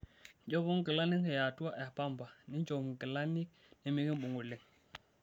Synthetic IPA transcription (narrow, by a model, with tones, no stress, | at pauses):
d͡ʒo˦bo˦ŋ˦ɡə˨la˦ni˦ŋke˨ja˨tu˦wa˦ʔɛ˨pa˦mba˨ni˦n˦d͡ʒo˨m˨ɡə˨la˦ni˦k̚ | ni˨mi˦ɡi˦mɓu˨ŋu˨li˨ŋ